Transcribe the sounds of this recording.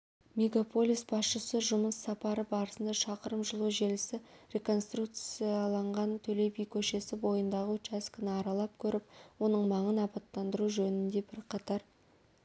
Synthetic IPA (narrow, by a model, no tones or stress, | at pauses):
mʲe̞ɡapʰo̞lʲˠijsbɑsʃəsəʒʊməsːɑpɑɾəbɑɾəsənd̪ɑʃɑqəɾəmʒəlˠuʒelɪsɪɾʲe̞ko̞nst̪ruk̚t̪sijɑlˠɑɴʁɑnt̪ʰɵle̞jbijkʲʰɵʃe̞sɪbo̞jənd̪ɑʁəɵt͡ʃæskʲɪnɪɑɾɑlˠɑp̚kʲʰɵɾɪpwo̞nəɴmɑɴənɑpɑt̪ːɑnd̪əɾuʒɵnɪnd̪e̞bɪɾqʰɑt̪ɑɾ